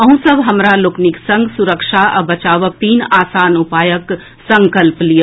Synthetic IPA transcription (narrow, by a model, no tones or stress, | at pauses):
ɐɦũsəbʱɦəmɾalokniksə̃ŋɡsuɾəkʃaʔɐ̰bɐt͡ʃaːʋək̚t̪iːnaːsaːnupaːjək | sə̃ŋkəlplijə